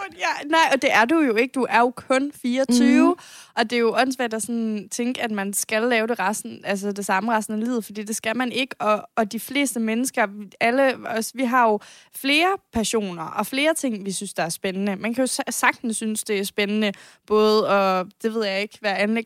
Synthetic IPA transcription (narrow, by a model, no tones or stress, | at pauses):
jænɑ̈ɪɒ̽d̥e̝ʔæɐdujo̝e̝ɡ̥əd̥uʔæɐjo̝kʰɔ̽nfiːɐt͡sʰyːʊʔɒ̽d̥e̝jo̝ʔɒ̽n̰sʋæd̥ɑ̈sɒnt͡sʰeŋɡ̥əæd̥mænsɡ̥ælːɛːʊɾe̝ʁɑsn̩ʔæls̬əd̥e̝sɑ̈məʁɑ̈sn̩eliːð̩ˠfɒd̥ḭːd̥e̝sɡ̥ælmæne̝ɡ̥əɒ̽ːd̥ifle̝̰ːsd̥əmenəsɡ̥ɐæləɒsʋiɦɑ̈jo̝ | fle̝ːɐpʰæɐɕo̝̰ːnɐʔɒ̽fle̝ːɐt͡sʰe̝ŋ̰ʋisynsd̥ɑ̈æɐsb̥enənəmænkʰæjo̝ssɑ̈ɡ̥̚d̥n̩sːynsd̥e̝æɐsb̥enənə | b̥ɔ̽ːð̩ˠɒ̽d̥e̝ʋe̝ð̰ˠjɑ̈e̝ɡ̥ʋæɐænleɡ